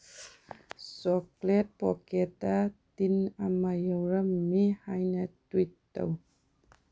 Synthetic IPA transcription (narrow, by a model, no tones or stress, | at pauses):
sɔklet̚pɔketatinamajəwɾɐmːihajnɐtwitːə̰w